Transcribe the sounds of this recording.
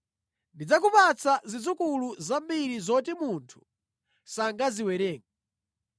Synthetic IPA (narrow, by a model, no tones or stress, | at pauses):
ndid͡zak̬upat͡sʰazid͡zukuluzambiɾizɔtimuntʰu̥ | saŋɡaziwɛɾɛːŋɔ